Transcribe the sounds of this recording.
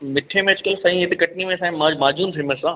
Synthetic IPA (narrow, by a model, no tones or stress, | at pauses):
mɪʈʰemẽd͡ʑɪkəlsɐĩɦɪt̪ekɐʈ̚nimẽsãmãːd͡ʑmaːd͡ʑuːnt̪ʰĩməsãː